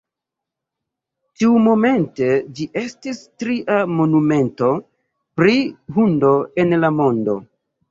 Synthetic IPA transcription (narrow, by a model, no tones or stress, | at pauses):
tiumo̞me̞nte̞d͡ʒiʔe̞stistɾiʔamo̞nume̞nto̞ | pɾiɦundo̞enlamo̞ndo̞̰